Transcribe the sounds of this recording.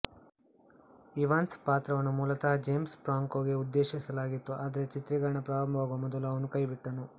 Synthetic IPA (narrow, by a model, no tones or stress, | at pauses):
iʋaːnspaːt̪ɾɐʋɐnːɐmuːlɐt̪ɐɦɐd͡ʒeːmspɾaːŋkoːɡe̞ud̪ːeːʃisɐlaːɡit̪ːuʔaːd̪ɐɾet͡ʃit̪ɾiɡɐɾɐɳɐpɾaːɾɐmbʱɐʋaːɡʋɐmɔd̪ɐluɐʋɐnukɐjbiʈːɐnu